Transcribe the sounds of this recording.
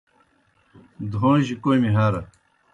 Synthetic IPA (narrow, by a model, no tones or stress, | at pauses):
d̪õːʑikomiɦaɾɐ